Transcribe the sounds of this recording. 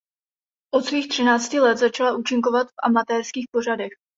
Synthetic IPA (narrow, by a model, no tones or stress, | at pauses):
ʔo̞t̪sviːxt̪r̝̥ɪnaːt͡scɪlɛt̪zat͡ʃalaʔuːt͡ʃɪŋkovat̪fʔa̰mat̪ɛːrskiːxpo̞r̝adɛx